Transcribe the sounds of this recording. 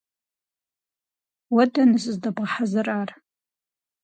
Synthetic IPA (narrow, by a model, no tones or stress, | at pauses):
wadanɨsɨzdabʁaħazɨrar